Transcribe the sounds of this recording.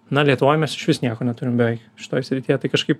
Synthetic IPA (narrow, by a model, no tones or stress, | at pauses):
nɐlʲiɛt̪ʊʋoːjmʲɛsɪ̥ʃʋʲɪsnʲiɛkoːnʲɛt̪ʊɾʲɪmbʲɛʋʲɛɪkʃʲɪ̥t̪oːjsʲɾʲɪt̪ʲiːjɛt̪ɐɪkɐʃkɐɪp